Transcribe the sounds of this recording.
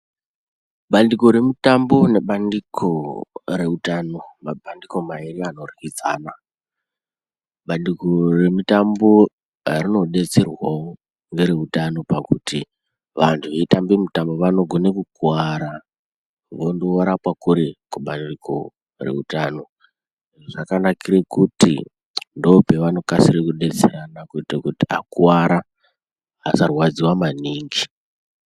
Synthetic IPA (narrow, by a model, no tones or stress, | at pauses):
ɓandiko̞ɾemitambo̞ne̞ɓandikʰo̞ɾe̞utano̞mabʱandiko̞mairiano̞rikid͡za̰ːna | ɓandikore̞mitambo | arino̞ɗe̞t͡serwao | ŋɡe̞ɾeutano̞pakuti | ʋantʰuʋetambemitambo̞ʋano̞ɡʱo̞nekukuaɾa | ʋondoaɾapwakuɾekuɓanoriko̰ | re̞̰utaːno̞ | iʐoʐakanakiɾekutḭ | ndoope̞ʋano̞kasiɾekuɗe̞t͡seɾanakutekutia̰kuwaɾa | ɦasarwad͡ziwamaniːŋɡi